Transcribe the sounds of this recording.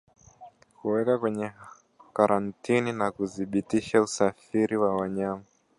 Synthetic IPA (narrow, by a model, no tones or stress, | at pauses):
kuwɛkakwɛɲɛ | kaɾʔantʰininakuθiɓitiʃausafiɾiwawaɲama